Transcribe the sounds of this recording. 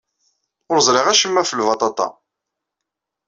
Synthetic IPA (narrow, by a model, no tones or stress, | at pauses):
ʊɾzˤɾɪʁæʃəmːæfəlvɑt̪ˤɑt̪ˤɑ̰